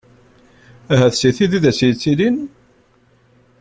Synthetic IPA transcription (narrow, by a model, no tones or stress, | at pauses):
æɦæθsiθiðiðæsjt͡sːilin